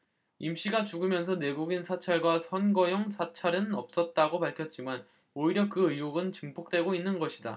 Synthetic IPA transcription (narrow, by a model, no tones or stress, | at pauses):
imɕ͈iɡat͡ɕuɡɯmjʌns̬ʰʌne̞ɡuɡinsʰat͡ɕʰaɭɡwasʰʌnɡʌjʌŋsʰat͡ɕʰaɾɯnʌp̚s͈ʌt̚t͈aɡopaɭkʰjʌt̚t͡ɕ͈iman | oiɾjʌkɯɯjoɡɯnt͡ɕɯŋpʰok̚t͈we̞ɡoinːɯnɡʌɕʰida̰